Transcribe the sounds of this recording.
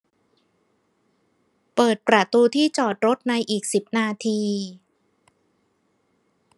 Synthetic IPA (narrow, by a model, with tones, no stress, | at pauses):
pɤː˨˩t̪̚pɾa˧˩t̪uː˧t̪ʰiː˥˩t͡ɕɔː˨˩t̪̚ɾo˦˥t̪̚na˧jʔiː˨˩k̚si˨˩p̚naː˧t̪ʰiː˧